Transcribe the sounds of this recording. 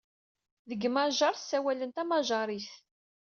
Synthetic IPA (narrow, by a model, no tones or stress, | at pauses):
ðəɡmaʒɑɾˤθsːæwælənt̪æmaʒɑɾˤiθ